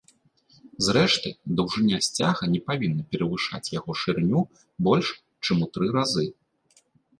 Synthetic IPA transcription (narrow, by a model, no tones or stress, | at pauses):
zɾɛʂt̪ɨd̪ɐwʐɨnʲːasʲt͡sʲaɣɐnʲɛpavʲinːɐpʲɛɾɐvɨʂa̰t͡sʲjaɣɔʂɨrnʲu | bɔlʲʂ | t͡ʂɨmut̪ɾɨɾazɨ